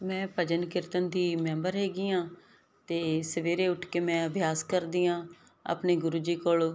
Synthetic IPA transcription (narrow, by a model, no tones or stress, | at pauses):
mɛ̃ːpəd͡ʒənkɪɾt̪ənd̪iːmɛmbəɾɦeːɡiːãː | t̪eːsəʋeːɾeːʊʈʰkeːmɛ̃ːəbʱjaːskəɾd̪iːãː | ə̰pneːɡʊɾuːd͡ʒiːkoːɭ